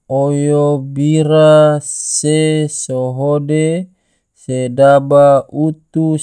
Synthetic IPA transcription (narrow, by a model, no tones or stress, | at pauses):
ojobiɾasesoɦode | sedabaut̪u